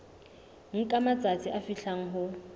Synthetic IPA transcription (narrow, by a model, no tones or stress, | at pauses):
ŋ̩kʼamat͡sʼat͡sʰʼiʔafiɬʰaŋ̩ɦʊ